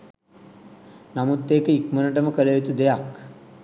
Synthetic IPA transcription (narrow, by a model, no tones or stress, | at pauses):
namut̪ːeːkəikmənəʈəməkələjit̪ud̪ejak